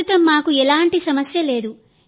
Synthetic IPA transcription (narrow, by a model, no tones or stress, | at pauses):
ut̪ɐmːaːkuɛlaːɳʈisɐmɐsjɐle̞ːd̪u